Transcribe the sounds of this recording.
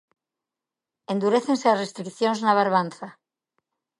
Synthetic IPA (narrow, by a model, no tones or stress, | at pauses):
e̞nd̪uɾeθẽ̞nseasrest̪ɾikθjonznaβ̞aɾβ̞anθa